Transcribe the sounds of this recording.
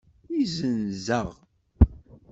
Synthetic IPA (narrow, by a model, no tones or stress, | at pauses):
izənzəʁ